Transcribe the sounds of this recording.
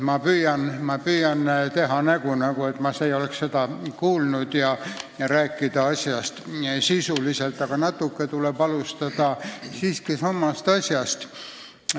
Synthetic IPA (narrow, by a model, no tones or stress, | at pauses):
mɑpyːjɑnmɑpyːjɑnt̪e̞ɦɑnæɡ̥unɑɡue̞t̪mɑseio̞leksse̞d̪ɑkuːlnud̪̥jɑɾæːkːˑid̪̥ɑɑsʲjɑst̪sisuliselt̪ːˑɑɡ̥ɑnɑt̪ːˑukːet̪ulebɑlust̪ɑd̪̥ɑsiːskisɑmːɑst̪ɑsʲjɑst̪